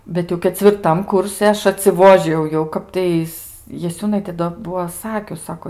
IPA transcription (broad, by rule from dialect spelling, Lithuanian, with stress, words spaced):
ˈbʲɛt jɛʊ kʲɛt͡sʲʋʲɪrˈtɐm ˈkʊrʲsʲɪ ˈɐʃ ɐtʲsʲɪˈʋoːʒʲɪjɛʊ jɛʊ ˈkɑːptɐɪs jɛˈsʲuːnɐɪtʲeː doː ˈbuɔ ˈsɑːkʲʊs ˈsɑːkoː